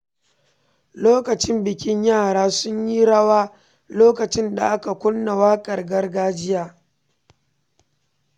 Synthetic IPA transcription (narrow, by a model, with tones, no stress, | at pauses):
loː˦kɐ˨t͡ʃɪ˦mbɪ˨kʲɪ˦ɲjaː˦˨ɽaː˦sʊ˦ɲji˦ɽɐ˦waː˦ | loː˦kɐ˨t͡ʃɪ˦nda̰˨ʔa˦ka˨kʷʊ˦lːa˨waː˦kʼɐ˨rɡɐ˦rɡaː˦d͡ʒɪ˦jaː˦